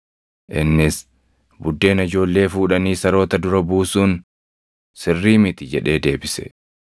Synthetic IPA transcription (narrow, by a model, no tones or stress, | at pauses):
ʔɪnːɪs | bʊd̪ːe̞ːnɪd͡ʒo̞ːlːe̞ːfuːᶑɐniːsɐɾo̞ːt̪ɐd̪ʊɾɐbuːsuːn | sɪrːiːmɪt̪ɪd͡ʒɛᶑe̞ːd̪e̞ːbɪsɛ̥̰